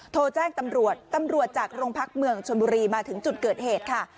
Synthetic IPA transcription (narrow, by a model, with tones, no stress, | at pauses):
t̪ʰoː˧t͡ɕɛː˥˩ŋt̪a˧mɾu˨˩ət̪ːa˧mɾu˨˩ət̪̚t͡ɕaː˨˩k̚ɾoː˧ŋpʰa˦˥k̚mɯ˧əŋt͡ɕʰo˧nbuː˧ɾiː˧maː˧t̪ʰɯ˩˦ŋt͡ɕu˨˩t̪̚kɤː˨˩t̪̚heː˨˩t̪̚kʰa˥˩